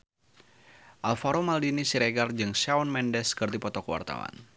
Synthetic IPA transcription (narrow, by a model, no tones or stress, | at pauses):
ʔalfaɾomaldinisiɾɛɡard͡ʒɨŋsaunmɛndɛskɨrt̪ipɔt̪ɔkəwa̰rt̪a̰wa̰n